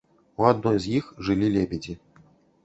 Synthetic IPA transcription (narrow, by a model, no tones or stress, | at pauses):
uad̪nɔjzjixʐɨlʲilʲebʲɛd͡zʲi